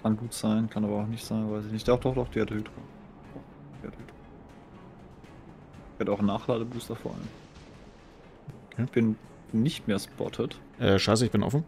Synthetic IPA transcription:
kʰanɡuːtz̥aɪnkʰanʔaːbɐaʊxnɪçtz̥aɪnvaɪsɪçnɪçtd̥ɔχd̥ɔχd̥ɔχd̥eːɐdhyːtʁə | d̥ɔ | d̥eɐdyːtʁo | ɛɐdəaʊnaːχlaːdəbuːstɐfoːɐʔa̰ləm | kʰːb̥ɪn | nɪçtmeːɐspʰɔ̰tʰət | ʔɛːʃaɪsəɪçb̥ɪnʔɔ̰fn̩

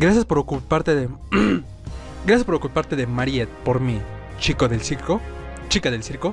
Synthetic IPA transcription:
ɡɾasjaspoɾokulpaɾt̪eðe | ɡɾasjaspoɾokulpaɾt̪e̞ðe̞maɾjet̪̚po̞ɾmi | t͡ʃiko̞ðelsiɾko | t͡ʃikaðelsiɾko

